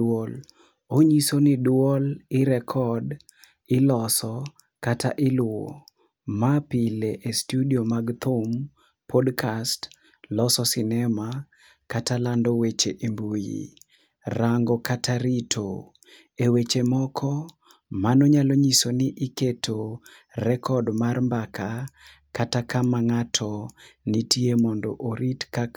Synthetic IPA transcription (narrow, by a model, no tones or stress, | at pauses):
ol | oɲisonidwwɔlɪɾɛkʰɔd | ɪlɔsɔ | kata̰ʔɪlʊo̰ | mapileʔestudiomaɡt̪um | pʰɔdkʰast | lɔsɔsɪnɛma | katalandɔwet͡ʃeʔimbujḭ | raŋɡɔkataɾitʰo | ewet͡ʃemɔkʰɔ | manɔɲaloɲisonɪʔɪketʰo | rɛkʰɔdmarmbakʰa | katakamaŋatʰɔnitiemɔndɔ̰ʔoɾitkak